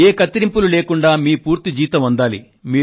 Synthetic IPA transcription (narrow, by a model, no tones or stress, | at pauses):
eːkɐt̪ːiɾimpululeːkuɳɖaːmiːpuːɾt̪id͡ʒiːt̪ɐmɐnd̪aːlḭ | miː